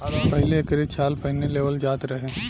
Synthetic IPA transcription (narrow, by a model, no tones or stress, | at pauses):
aːɾpɐɦɪleːkɾet̪saːlpɐɦɪneleːʋəld͡ʒaːt̪ɾɐɦeː